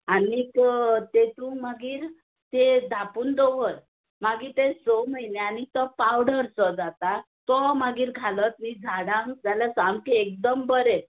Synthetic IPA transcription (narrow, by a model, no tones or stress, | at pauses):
anikt̪et̪ũmaɡiːɾ | t̪ed̪ʱapuːnd̪oʋəɾ | maɡiːt̪esɔməjneanit̪ɔpawɽəɾsɔd͡zat̪a | t̪ɔmaɡiːɾɡʱalət̪̚mid͡zʱaɽãŋd͡zalasamkeːk̚d̪əmbəɾɛ